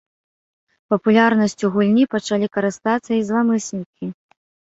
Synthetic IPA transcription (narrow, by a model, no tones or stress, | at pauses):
pɐpulʲarnɐsʲt͡sʲuɣulʲnʲipɐt͡ʂalʲikɐɾɨst̪at̪sːɐizlˠamɨsʲnʲikʲi